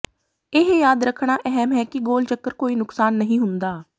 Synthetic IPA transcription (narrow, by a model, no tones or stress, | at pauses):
ɪɦjaːd̪ɾəkʰɽaːʔɛɦɛmɦɛːkɪɡoːlt͡ʃəkːəɾkoːiːnʊksaːnːəɦĩːɦʊnd̪aː